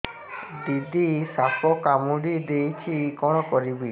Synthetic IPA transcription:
ɖid̪isapʰɔkamuɽid̪ejt͡ʃʰikɔɽ̃ɔkɔɾibi

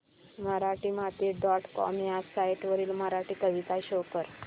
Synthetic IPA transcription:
məɾaʈiːmat̪iːɖɔʈkɔ̰mjasajʈʋəɾiːlməɾaʈiːkəʋit̪aɕokəɾ

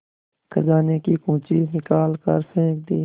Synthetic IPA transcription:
kʰəzaːnekikũːt͡ʃinɪkaːlkə̰ɾpʰẽːk̚d̪iː

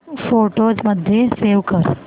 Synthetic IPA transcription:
foʈod͡ʒməd̪ʱjeseʋkəɾ

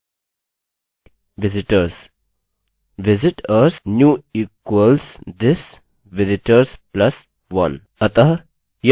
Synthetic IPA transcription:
ʋɪzɪʈəɾs | ʋɪzɪʈəɾsnjuːiːkwəlsd̪ɪs | ʋɪzɪʈəɾsplɐs | ʋɐ̰̃n | ɐt̪ɐɦ | j

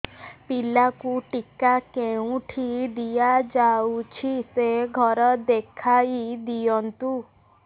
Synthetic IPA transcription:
pilakuʈikakeũʈʰid̪ijad͡ʒaut͡ʃʰiseɡʱɔɾɔd̪ekʰaid̪ijɔnt̪u

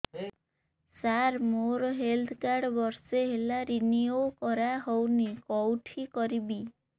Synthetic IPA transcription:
saɾmoɾɔɦeld̪ʰʱkaɾɖbɔɾseɦelaɾiniokɔɾaɦownikɔwʈʰikɔɾibi

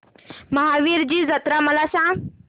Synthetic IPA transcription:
məɦaʋiɾd͡ʑiːd͡zət̪ɾaməlasã

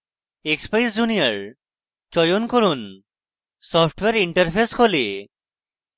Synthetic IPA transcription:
ekspajsd͡ʑunijaɾ | t͡ʃɔjonkoɾun | sɔpʰʈweɾiɳʈaɾpʰeskʰole

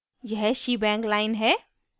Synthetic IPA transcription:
jɛɦʃibɛ̃ːŋklaːɪnɦɛː

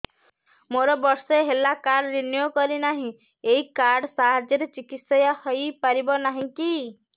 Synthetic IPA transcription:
moɾɔbɔɾsɔeɦelakaɖɾinjokɔɾinaɦĩ | eikaɾɖsaɦad͡ʒjɔɾet͡ʃikit̪sɔjahɔjpaɾibɔnaɦĩki

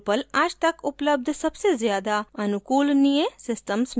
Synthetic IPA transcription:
pəlɐd͡ʒt̪ɐkʊpləb̚d̪ʱsɐbsezjaːd̪aɐnʊkuːlniẽsɪsʈəms

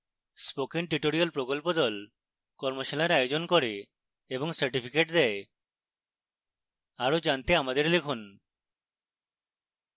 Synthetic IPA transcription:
spokenʈiʈoɾijalpɾokɔlpod̪ɔl | kɔɾmoʃalaɾajod͡ʒonkɔɾeː | bɔŋsəɾʈipʰikeʈd̪ɛe | aɾod͡ʒant̪eamad̪eɾlekʰun

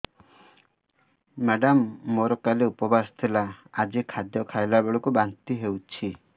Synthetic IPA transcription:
maɖamːoɾɔkaleupɔbast̪ʰilaːd͡ʒikʰad̪jɔkʰajlabeɭɔkubant̪iɦewt͡ʃʰi

